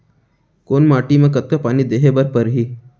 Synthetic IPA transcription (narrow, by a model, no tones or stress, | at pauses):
koːnmaːʈimẽk̬ɐt̪̚kapaːnid̪eːɦebɐɾpəɾɦiː